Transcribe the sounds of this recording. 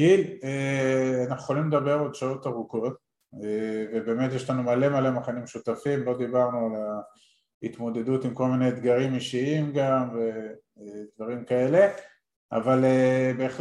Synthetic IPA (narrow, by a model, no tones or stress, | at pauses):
ileanaχnue̥χolimled̪abe̞ʁod̪ʃao̞t̪aʁuko̞t̪ | evebe̞ːme̞t̪jeʃlanumale̞malemaχanimʃut̪afimbo̞d̪ibaʁnuala | ḭt̪mo̞d̪e̞d̪ut̪imko̞lmined̪ɡaʁimiʃiimɡamve | d̪vaʁimkae̞le̞ | a̰valebeːχl